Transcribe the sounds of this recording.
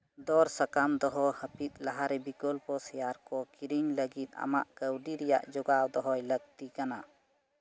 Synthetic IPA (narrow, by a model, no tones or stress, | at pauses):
d̪ɔɾsakamd̪ɔɦɔhəpit̪̚ˀlaɦaɾɛbikɔlpɔsɛjaɾkɔkiɾiɲləɡit̪̚ˀa̰ma̰ʔkəwɖiɾɛja̰ʔd͡ʒɔɡawd̪ɔɦɔjləɡ̚t̪ikana